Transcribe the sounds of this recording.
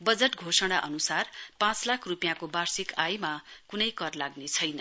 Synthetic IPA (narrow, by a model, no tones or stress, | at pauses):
bʌd͡zeʈɡʱosʌɽ̃aʔʌnusarpãt͡slakʰrupijãkobarsikajmakunʌjkʌrlaɡnet͡sʰʌjnʌ